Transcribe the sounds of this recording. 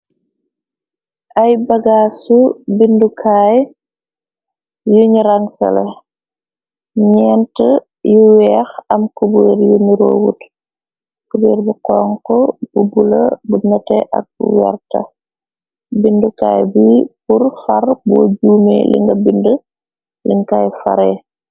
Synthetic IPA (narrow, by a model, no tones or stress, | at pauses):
ʔɐjbɐɡaːsubindukʰaːj | juɲuɾaŋsɐ̰lɛ | ɲɛntə | juwɛːxɐmkubuɾjumiɾo̰ːwut | kubiːɾbukɔːŋkɔbubulɐ̰bunɐtɛʔɐ̰k̚bṵwɛ̰rtɐ̰ | bindukaːjbipurfɐrboːɟuːmɛ̰lḭŋɡɐbində | liŋkaːjfɐ̰ɾɛː